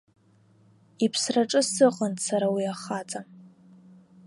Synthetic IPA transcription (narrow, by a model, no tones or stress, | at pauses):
ipʰsraʈ͡ʂʼɨsɨqʼəntʰʼsaɾawiaχat͡sʼam